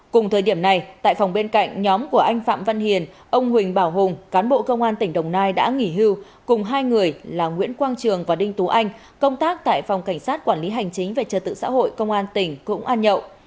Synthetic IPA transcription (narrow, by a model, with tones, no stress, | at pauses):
kʊ˨˩ŋ͡mt̪ʰəː˨˩jɗi˧˩əmna˨˩jt̪a̰ː˧˨jfwŋ͡mɓe˧nka̰˧˨jŋ̟ɲɔ˨˦mku˧˩əʔa˧jŋ̟fa̰ː˧˨mvə˧nhi˨˩ənʔə˧wŋ͡mɦwï˨˩ŋ̟ɓaː˧˩wɦʊ˨˩ŋ͡mkaː˨˦nɓo̰˧˨kə˧wŋ͡mʔaː˧nt̪ï˧˩ŋ̟ɗə˨˩wŋ͡mnaː˧jɗa̰ː˧˥ŋi˧˩ɦi˧w | kʊ˨˩ŋ͡mɦaː˧jŋɨ˨˩əjlaː˨˩ŋwḭ˧˥ənkwaː˧nt͡ɕɨ˨˩əŋvaː˨˩ɗï˧ŋ̟t̪u˨˦ʔa˧jŋ̟ | kə˧wŋ͡mt̪aː˦˥k̚t̪a̰ː˧˨jfa˨˩wŋ͡mka˧˩jŋ̟saː˦˥t̚kwaː˧˩nli˨˦ɦa˨˩jŋ̟t͡ɕï˨˦ŋ̟ve˨˩t͡ɕəː˨˩t̪ɨ̰˧˨sa̰ː˧˥ɦo̰˧˨jkə˧wŋ͡mʔaː˧nt̪ï˧˩ŋ̟kʊ̰˧˥ŋ͡mʔaː˧nɲə̰˧˨w